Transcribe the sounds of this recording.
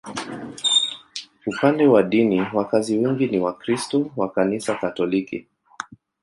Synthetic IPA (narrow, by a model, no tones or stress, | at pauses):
upandɛwaɗiniwakaziwɛŋɡiniwakɾistɔwakanisakatɔlikḭ